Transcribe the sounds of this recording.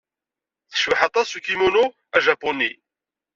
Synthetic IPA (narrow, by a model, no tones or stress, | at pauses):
θə̥ʃvəħɑt̪ˤɑsukimunu | æʒɑpːuni